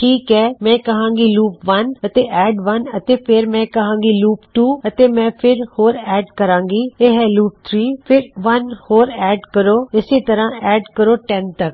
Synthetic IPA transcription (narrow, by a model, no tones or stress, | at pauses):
ʈʰiːkɦɛːmɛ̃ːkɐɦãːŋɡiːluːpʋɐnət̪eʔɛːɖʋɐnət̪eːpʰɪɾmɛ̃ːkɐɦãːŋɡiːluːpʈuːət̪eːmɛ̃ːpʰɪɾhoːɾɛːɖkəɾãːŋɡiːeɦɛluːp̚t̪ʰɾiːpʰɪɾʋɐnhoːɾɛːɖkəɾoːɪset̪əɾãːɛːɖkəɾoːʈɛ̃nt̪ɐk̚